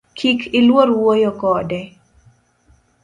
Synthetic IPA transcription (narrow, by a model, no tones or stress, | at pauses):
kʰikʰɪlwoɾwojokɔdɛ